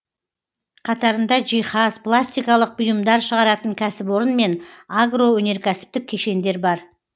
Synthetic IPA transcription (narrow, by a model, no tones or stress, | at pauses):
qʰɑt̪ɑɾənd̪ɑʒijχɑzpʰlˠasʲt̪ijkɑlˠəq̚bʊjəmd̪ɑɾʃəʁɑɾɑt̪əŋkʲʰæsɪpwo̞ɾənme̞naɡro̞wɵne̞ɾkʲæsɪ̥p̚t̪ɪkʲʰːe̞ʃe̞nd̪e̞ɾbɑɾ